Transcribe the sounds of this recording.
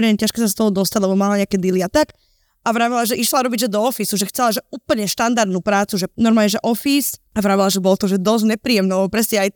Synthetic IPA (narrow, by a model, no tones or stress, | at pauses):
ɾɛɛcaʃkɛsast̪ɔɦɔd̪ɔst̪aɟlɛbɔmalaɲɛakɛd̪iliat̪ak | avɾaːʋilaʒɛʔiʃlaɾɔbiɟʒɛd̪ɔɔfisuʒɛxt͡sɛlaʒɛuːpl̩ɲɛʃt̪and̪aɾd̪nuːpɾaːt͡suʒɛnɔɾmaːlɲɛʒɛʔɔfisaʋɾaːʋilaʒɛbɔlɔt̪ɔʒɛd̪ɔzɲɛpɾiːɛmnɛɔpɾɛsɲɛaj